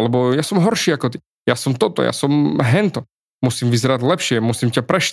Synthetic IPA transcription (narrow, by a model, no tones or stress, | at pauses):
lɛbɔjasɔmɦɔɾʃiːakɔt̪i | jasɔmt̪ɔt̪ɔ̰ja̰sɔmɦɛnt̪ɔ | musiːmvizɛɾaɟlɛpʃɪɛmusiːmcapɾɛʃ